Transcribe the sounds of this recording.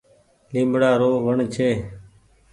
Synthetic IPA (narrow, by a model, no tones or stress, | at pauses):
limbɽaːɾoːʋəɳt͡ʃʰeː